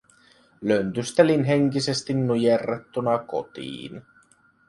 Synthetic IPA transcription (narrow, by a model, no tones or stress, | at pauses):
lø̞nt̪yst̪elinɦe̞ŋkise̞st̪inːujerːet̪ːunɑko̞̰t̪ḭːn